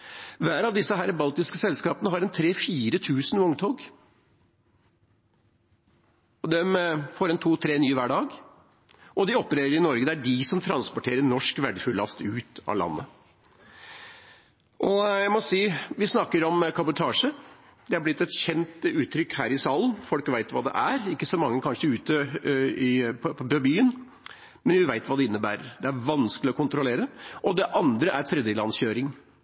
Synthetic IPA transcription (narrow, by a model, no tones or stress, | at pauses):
ʋæːɾɑʋd̪ɪsːəɦæːɾbɑlt̪ɪskəsɛlskɑːpənəɦɑɾɛnt̪ʰɾeːfiːɾət̪ʰʉːsənʋʊŋt̪ʰoːɡ | ɔd̪ɛmfɔːɾɛnt̪ʰuːt̪ʰɾeːnyːʋæːɖɑːɡ | ɔd̪ɪɔpːəɾeːɾəɾɪnɔɾɡəd̪ɛæɖɪsɔmt̪ʰɾɑnspɔʈʰeːɾəɾnɔʂkʋæɖəfʉlːɑ̰st̪ʉːt̪ɑ̰lɑ̰nːə̰ | ʔɔjæɪmɔsiːʋɪsnɑkːəɾɔmkʰɑbʊt̪ʰɑːʂə | d̪̥ɛɑɾblɪt̪ːɛt̪çɛnt̪ʉːt̪ʰɾʏkːhæːɾɪsɑːlən̩fɔlkʋæɪt̪ʋɑ̰ːd̪ɛ̰ʔæɾɪkːəsɔmɑŋːəkʰɑnʂəʉːt̪əɪpʰpʰɔbbyːən | mɛnʋɪʋæɪt̪ʋɑːd̪ɛɪnːəbæːɾəɾd̪ɛæɾʋɑnskəlɪɔkʰʊnt̪ɾʊleːɾəʔɔd̪ɛʔɑnd̪ɾəʔæɾt̪ʰɾɛd̪jəlɑnsçøːɾɪŋ